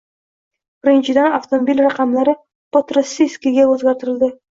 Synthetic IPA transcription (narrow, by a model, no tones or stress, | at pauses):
b̥ɪɾɪnt͡ʃɪd̪ænaft̪omobilʲrɑqɑmlˠɑɾə | pot̪ɾosːiskʲiɡʲewɵzɡɑɾt̪əɾɪ̆lˠd̪ə